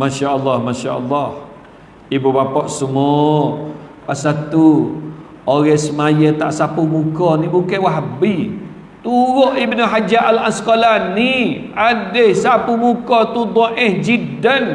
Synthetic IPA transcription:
maʃaʔəlːahmaʃaʔə̰lːɑh | ibubapɔʔsəmɔ | pasat̪u | oɣɛsəmajət̪aʔsapumukɔnibukawaɦbi | t̪uɾoʔibnəɦad͡ʒaʔalasə̥kolani | adəhsapumukɔt̪ud̪ɔʔɪhd͡ʒidən

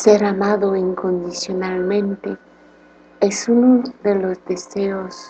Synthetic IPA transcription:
seɾamaðoiŋkõnd̪isjonalmẽnt̪e | esunoðelozd̪eseos

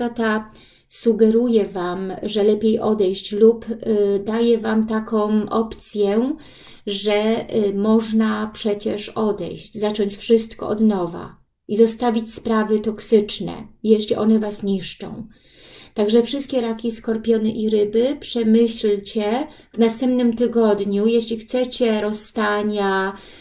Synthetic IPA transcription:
t̪at̪a | suɡɛɾujɛvamʐɛlɛpʲjejʔɔd̪ɛjɕt͡ɕlupd̪ajɛvamt̪akɔ̃w̃ʔɔpt̪sʲjɛ | ʐɛmɔʐnapʂɛt͡ɕɛʂɔd̪ɛ̰jɕd͡ʑzat͡ʂɔɲt͡ɕfʂɘst̪kɔ̰ʔɔ̰d̪nɔva̰ | izɔst̪avʲit͡ɕspɾavɘt̪ɔksɘt͡ʂnɛ̰ijɛɕlʲiʔɔnɛvasɲiʂt͡ʂɔ̰̃w̃ | t̪aɡʐɛfʂɘst̪kʲɛɾakʲiskɔɾpʲjɔnɛʔiɾɘbɘpʂɛmɘɕlt͡ɕɛ | vnast̪ɛmpnɘmt̪ɘɡɔd̪ɲujɛɕlʲixt̪sɛt͡ɕɛɾɔsːt̪aɲa

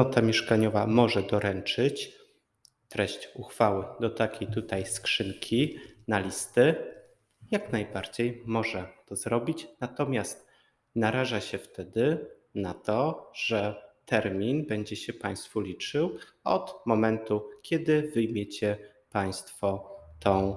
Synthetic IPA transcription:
ɔt̪amʲjɛʂkaɲɔvamɔʐɛd̪ɔɾɛnt͡ʂɘt͡ɕ | t̪ɾɛɕt͡ɕuxfawɘd̪ɔt̪akʲʰejt̪ut̪ajskʂɘŋkʲʰinalʲist̪ɘ | jaknajbaɾd͡ʑejmɔʐɛt̪ɔzɾɔbʲit͡ɕnat̪ɔmʲjast̪ | naɾaʐaɕɛft̪ɛd̪ɘ | nat̪ɔʐɛt̪ɛɾmʲinbɛɲd͡ʑɛɕɛpaj̃st̪fulʲit͡ʂɘw | ɔ̰t̪mɔmɛnt̪ukʲɛd̪ɘvɘjmʲjet͡ɕɛ | paj̃st̪fɔt̪ɔ̃w̃

